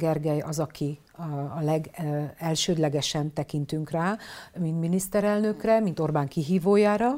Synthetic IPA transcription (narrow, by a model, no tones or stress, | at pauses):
ɡɛrɡɛjɒzɒki | ɒlɛɡɛlʃøːd̪lɛɡɛʃɛnt̪ɛkint̪yŋkraːmint̪minist̪ɛɾɛlnø̞krɛmint̪o̞rbaːŋkiɦiːvoːjaːɾɒ